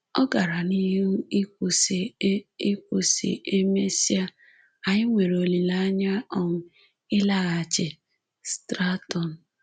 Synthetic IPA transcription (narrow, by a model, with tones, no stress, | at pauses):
ɔ˦ɡa˨ɾa˨ni˦ɦi˦n̩˦i˦kʷo˨se˨˦i˦kʷo˨sḭ˨ʔe˦me˦si˦a˦ | a˨ɲɪ˦ŋʷe˨ɾo˨li˨la˦ɲa˦ɔ˦m̩˦ | ɪ˦la˦ɣa˨t͡ʃɪ˨ | stɾa˦tɔ˨n̩˨